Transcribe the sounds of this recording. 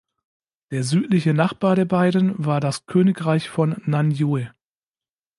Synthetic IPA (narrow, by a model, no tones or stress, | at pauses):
d̥eːɐzyːtlɪçənaχb̥aːɐɾeːɐbaɪdn̩vaːɐdaskʰøːnɪkʁaɪçfɔnːanjoe